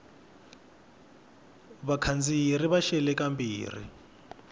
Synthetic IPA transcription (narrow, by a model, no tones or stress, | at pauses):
βakʰand͡ziriβaʃɛlɛkambḭːrḭ